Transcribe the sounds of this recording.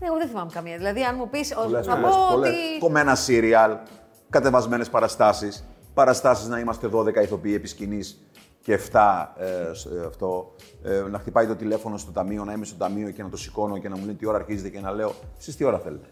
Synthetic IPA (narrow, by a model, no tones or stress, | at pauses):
neɣoðẽθimɐmekɐmjɐðilɐðiɐnmupisolesɐpooleikomenɐsiɾiɐl | kɐt̪e̞vɐzme̞ne̞spɐɾɐst̪ɐsis | pɐɾɐst̪ɐsiznɐimɐst̪e̞ðo̞ðe̞kɐiθo̞piie̞piscinis | ceːft̪ɐsɐft̪o̞ | nɐxt̪ipɐjt̪o̞t̪ile̞fo̞no̞st̪o̞t̪ɐmio̞nɐime̞st̪ot̪ɐmio̞ce̞nɐt̪o̞si̥ko̞noce̞nɐmulent̪io̞ɾɐːɾçizet̪ecenɐle̞o̞sist̪io̞ɾɐθe̞let̪e